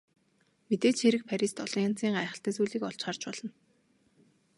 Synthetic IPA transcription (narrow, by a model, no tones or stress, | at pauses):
met̪eːɮt͡ɕxeɾɘ̆k̚pʰæɾʲist̪ɔɮ̥ɞ̆ŋan̥t͡siːŋɢajχə̆ɬt̪æ̆ːsujɮiːkɔɮt͡ɕχart͡ɕpɔɮɞ̆n